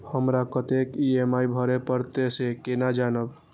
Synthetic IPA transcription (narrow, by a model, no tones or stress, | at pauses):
həmɾakət̪ekiemaibʱəɾepəɾt̪esekenad͡ʒanəb